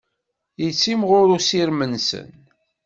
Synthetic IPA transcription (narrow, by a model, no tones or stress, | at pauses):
jət͡sːimʁʊɾusiɾmənsə̰n